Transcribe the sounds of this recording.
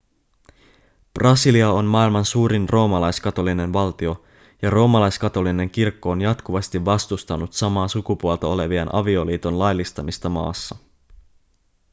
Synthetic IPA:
b̥rʔɑsiliɑo̞nmɑːilmɑnsuːɾinrʔo̞ːmɑlɑjskɑt̪o̞line̞nʋɑlt̪io̞ | jɑro̞ːmɑlɑjskɑt̪o̞line̞ŋk̟irkːo̞ːnjɑt̪kuʋɑst̪iʋʋːɑst̪ust̪ɑnut̪sɑmɑːsukupuolt̪ɑo̞le̞ʋiɑnʔɑ̰ʋio̞liːt̪o̞nlɑjlːist̪ɑmist̪ɑmɑ̰ːsːɑ

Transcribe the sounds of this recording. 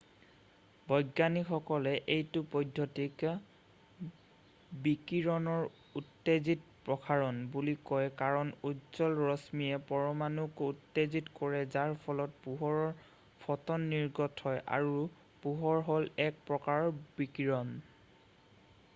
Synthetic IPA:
bʱɔjɡanixɔkɔlɛʔejtʊpɔjdʱːɔtik | bikiɹɔnɔɹ | utːezitpɹɔkʰaɹɔnbulikɔjkaɹɔnutzɔlɹɔsmiɛpɔɹɔmanukutːezitkɔɹɛzaɹpʰɔlɔt̚puɦɔɹɔɹ | pʰɔtɔnːiɹɡɔtʰhɔjʔa̰ɹu | puɦɔɹɦɔlɛk̚pɹɔkaɹɔɹbikiɹɔn

